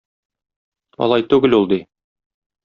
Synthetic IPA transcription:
ɒ̰lˠɑjt̪ʉɡɘlulˠd̪i

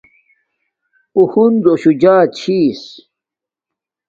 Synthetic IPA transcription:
uhund̪oɕud͡ʑaːt͡ɕʰiːs

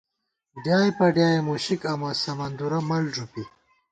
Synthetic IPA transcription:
ɖjaːjpɐɖjaːemuɕikɐmɐsɐmɐnd̪uɾɐmɐlʐupi

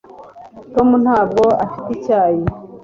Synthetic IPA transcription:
to̞mun̥haːb̚ɡo̞afiticaːje

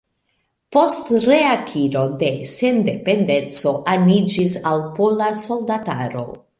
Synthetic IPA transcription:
po̞stɾeakʰiɾo̞de̞se̞nde̞pe̞nde̞nt͡so̞ʔanid͡ʒisalpolaso̞ldata̰ɾo̞̰

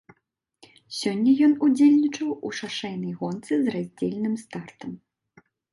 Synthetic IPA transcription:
sʲɔnʲːɐjɔnud͡zʲelʲnʲit͡ʂɐwuʂaʂɛjnɐjɣɔnt̪sɨzrazʲd͡zʲelʲnɨmst̪art̪ɐm

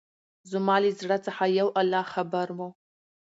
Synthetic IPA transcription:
zumaːlizrɐt͡sʰʼaħajɐwʔalːaːhχɐbɐɾmo

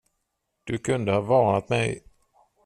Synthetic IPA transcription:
d̪̥ɵkʰɵnd̪əhɑːvɑːɳat̪mɛj

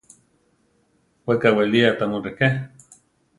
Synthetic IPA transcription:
wekaweliat̪amuɾeke

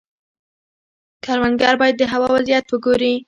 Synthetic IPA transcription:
kaɾwanɡaɾbɑjad̪ːəɦawɑwazijat̪wəɡoɾi

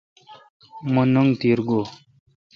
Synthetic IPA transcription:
munuŋt̪iːɾɡo

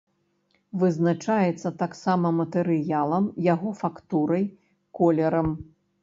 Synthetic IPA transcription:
vɨznat͡ʂajɛt̪sːɐt̪aksamɐmɐt̪ɛɾɨjalˠɐmjaɣɔfakt̪uɾɐj | kɔlʲɛɾɐm

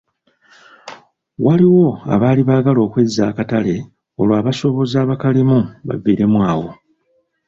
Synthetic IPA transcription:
waliwo̞a̰βaːliβaːɡalo̞ːkwezːa̰ːkatale̞ | o̞̰lwaːβaso̞βo̞zaːβakalimuβa̰ɡiːɾe̞mwaːwo̞̰

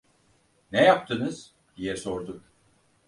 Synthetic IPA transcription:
nɛjap̚t̪ʰɯnɯz̥ | d̪̥ijɛsoɾd̪ʊk

